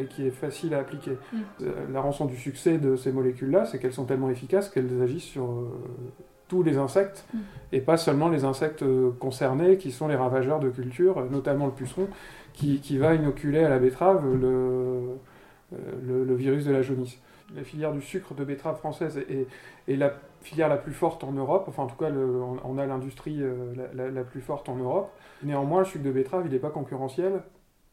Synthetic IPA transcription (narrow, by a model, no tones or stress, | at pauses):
ɛlkʲʰiɛfasilaːplikʲḛ | laʁɑ̃sɔ̃d̪ysyksɛd̪əsemɔlekʲylːasɛkɛlsɔ̃t̪ɛlmɑ̃efikaskɛlzaʒisːyʁø | t̪ulezɛ̃sɛk̚t̪epasœlmɑ̃lezɛ̃sɛk̚t̪kɔ̃sɛʁnekʲisɔ̃leʁavaʒœʁd̪ək̬ʲylt̪yʁnɔt̪amɑ̃ləpysχɔ̃ | kʲikʲivainɔkʲʰylealabet̪χavlə | lələviʁys̬d̪əlaʒonis | lafiljɛʁd̪ysykχəd̪əbet̪χavfχɑ̃sɛzʔɛɛlafiljɛʁlaplyfɔʁt̪ɑ̃nøʁɔpɑ̃fɛ̃ɑ̃t̪u̥kaləɔ̃ɔ̰̃nalɛ̃d̪yst̪χiølalalaplyfɔʁt̪ɑ̃nøʁɔpneɑ̃mwɛ̃ləsyk̚d̪əbet̪χavilɛpakɔ̃kʲyʁɑ̃sjɛl